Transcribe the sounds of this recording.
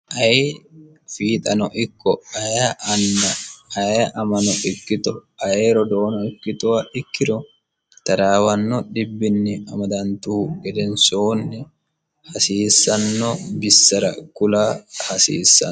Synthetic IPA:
ʔɐje | fiːt̪ʼɐnɔʔɪkːɔɐjaʔɐndɐːjʔɐmɐnɔʔɪkːɪt̪ɔɐjeːɾɔd̪oːnɔɪkːɪt̪ɔwɐʔɪkːɪɾɔ | t̪ɐɾaːwɐnːɔᶑɪbːɪnːɪɐmɐd̪ɐnt̪uːɡɛd̪ɛnsoːnːɛ | hɐsiːsːɐnːɔbɪsːɐɾɐ̰kʊlaːhɐsḭːsːɐ̰

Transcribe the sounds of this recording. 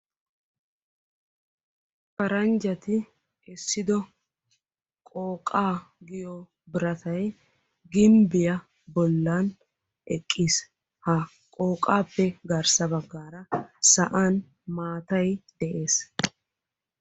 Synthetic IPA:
pɐɾɐnd͡ʒɐt̪ɪ | ɛsːɪd̪ɔ | kʼoːkʼːaːɡɪjɔ | bɪɾɐt̪ʰɐj | ɡɪmbɪjɐ | bɔlːɐn | ʔɛkʼːiːs | hɐ | kʼo̞ːkʼaːpːɛɡɐɾsɐbɐɡːaːɾɐsɐʔan | maːt̪ɐjd̪̥ɛʔe̞ːs

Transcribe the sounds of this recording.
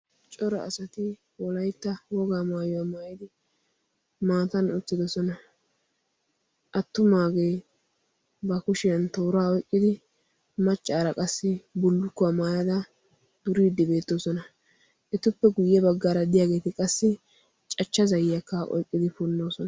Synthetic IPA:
t͡ʃʼɔɾɔʔːsɐt̪ɪ | wɔlɐjt̪ːɐwɔɡaːmaːjɔwamaːjɪd̪ɪ | maːt̪ɐnʊt͡sːɪd̪ɔsɔnɐ | ʔɐt̪ːʊmaːɡe̞ː | bɐkʊʃɪjɐnt̪oːɾaːɔjkʼːɪd̪ɪ | mɐt͡ʃʼːaːɾɐkʼɐsːɪbʊlːʊkːʊamaːjɐd̪ɐ | d̪̥ʊɾiːd̪ːɪbe̞ːt̪ːo̞ːsɔnɐ | ʔɛt̪ʊpːɛɡʊjːɛbɐɡːaːɾɐd̪ɪjaːɡe̞ːt̪ɪkʼɐsːɪ | t͡ʃʼɐt͡ʃːɐzɐjjɐkːɐʔɔ̰jkʼːɪd̪ɪfʊnːo̞ːsɔnɐ

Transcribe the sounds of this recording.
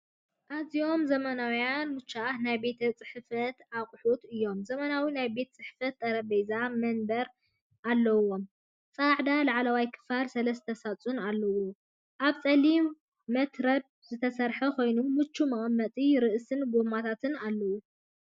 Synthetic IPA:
ʔazijo̞mzɐmɐnawjanmɨt͡ʃːaanajbe̞t̪ʰɐt͡sʼɨħfɐt̪aqʼħut̪ɨjːo̞mzɐmɐnawinajbe̞t̪ʰt͡sʼɨħfɐt̪ːʼɐɾɐbejzamɐnbɐɾ | ʔalːɐwo̞m | t͡sʼaʕd̪alaʕlɐwajkʰɨ̥faɾsɐlɐst̪ʰɐsat͡sʼunalːɐwu | ʔaβt͡sʼɐlimː | ɐt̪ɾɐb̚zɨt̪ʰɐsɐɾħɐkʰo̞jnumɨt͡ʃːumɐʔʼmːɐt̪ʼiɾɨʔsɨnɡomat̪ʰat̪ʰɨnalːɐwu

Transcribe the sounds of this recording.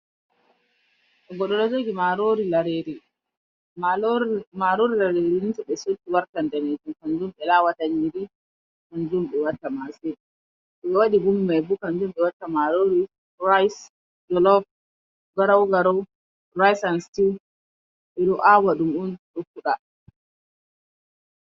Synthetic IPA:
ʔɛɡɔɗɔlɔd͡ʒoɡimaɾoɾilaɾeɾi | maɾoɾilaɾeɾinitɔɓɛsotːiwaɾkandaned͡ʒumkand͡ʒumɓɛlaːwataɲːiɾi | kand͡ʒumɓɛwatːamased | ɓɛwaɗiɡumːajbukand͡ʒumɓɛwatːamaɾoɾi | ɾajs | d͡ʒɔlɔf | ɡaɾawɡaɾɔw | rajsanstiw | ɓɛɗɔʔawaɗumunɗɔkːuɗa

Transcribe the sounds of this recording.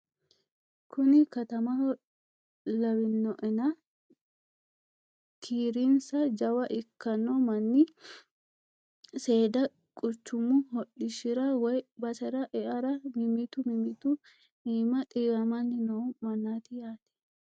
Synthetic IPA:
kʰʊnɪkɐt̪ɐmɐ | lɐwɪnːɔʔɛnɐ | kʰiːɾinsɐd͡ʒɐwɐʔɪkːɐnːɔmɐnːɪ | se̞ːd̪ɐ | kʼʊt͡ʃːʊmːʊɦɔɗːɪʃɪɾɐwɔjbɐsɛɾɐʔɛʔɐɾɐmɪmɪt̪ʊmɪmɪt̪ʊ | miːmɐt̪ʼiːwɐmɐnːɪnɐwmɐnːaːt̪ɪjaːt̪ɛ̥

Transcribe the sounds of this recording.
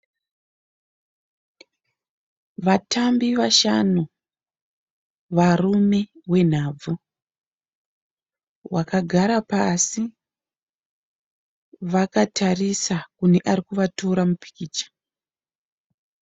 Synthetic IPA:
ʋatʰambiʋaʃanu | ʋarume̞we̞n̤ab͡vu | wakaɡʱaɾapasi | ʋakatarisakune̞ʔaɾikuʋatoɾamupi̥kiːt͡ʃḁ

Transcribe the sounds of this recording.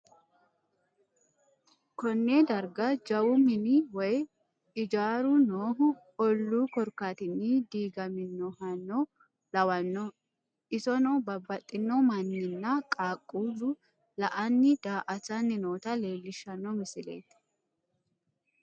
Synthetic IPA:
kɔnːeːd̪ɐɾɡɐd͡ʒɐwʊmɪniwɔj | ɪd͡ʒaːɾʊnoːɦʊ | ɔlːuːkɔɾkaːt̪ɪnːid̪iːɡɐmɪnːɔhɐnːɔ | lɐwɐnːɔ | ɪsɔnɔbɐbːɐt̪ʼːɪnːɔmɐnːɪnːɐkʼaːkʼːuːlʊ | lɐʔɐnːɪd̪̥aːʔɐt͡ʃɐnːɪnoːt̪ɐle̞ːlːɪʃːɐnːɔmɪsɪlḛːt̪

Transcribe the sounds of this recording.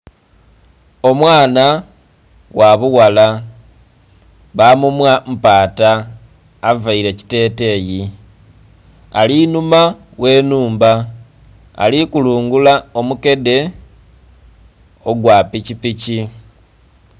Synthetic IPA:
o̞mwaːna | waβuwala | βamumwam̩paːtaː | vaiɾe̞ci̥te̞ːte̞ːji | a̰linuma | we̞nuːmba̰ː | likuluːŋɡulao̞muke̞de̞ | o̞ɡwaːpicipici

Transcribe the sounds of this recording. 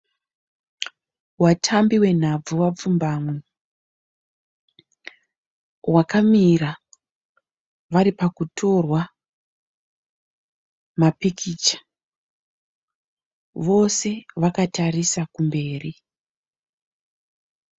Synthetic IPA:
watʰambiwe̞n̤ab͡vuwap͡fumbaːmwe | wakamira | ʋaɾipakutʰo̞rwa | mapikʰiːt͡ʃḁ | ʋo̞se̞ʋakatarisakumbe̞ːri

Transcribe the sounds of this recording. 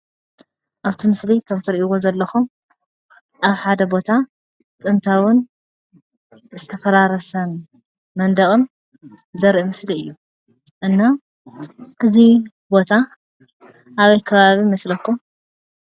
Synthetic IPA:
ʔaβt̪ʰimɨslikʰaβt̪ʰɨɾiʔiwozɐlːɐxu | ʔaβħad̪ɐbo̞t̪ʰa | t̪ʼɨnt̪ʰawʊn | zɨt̪ʰɐfɐɾaɾɐsɐn | mɐnd̪ɐɣʼɨm | zɐɾʔimɨsliɨjːu | ʔɨnːa | ʔɨzi | bo̞t̪ʰa | ʔaβɐjkʰɐβaβimɐslɐkʰːu

